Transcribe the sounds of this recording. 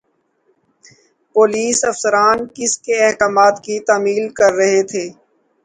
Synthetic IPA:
poːliːsɐfsəɾaːnkɪskeɛɦkaːmaːt̪kit̪aːmiːlkɐɾːɐɦet̪ʰeː

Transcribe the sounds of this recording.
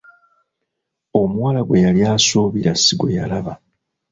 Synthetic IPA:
o̞mwalaɡwe̞jaljaːsuːβiɾasiɡwe̞ja̰laβa

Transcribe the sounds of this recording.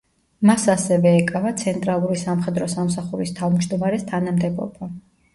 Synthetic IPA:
masasɛvɛːkʼavat̪sʰɛnt̪ʼɾalˠuɾisamχɛd̪ɾɔsamsaχuɾist̪ʰavmd͡ʒd̪ɔmaɾɛst̪ʰanamd̪ɛbɔ̰ba

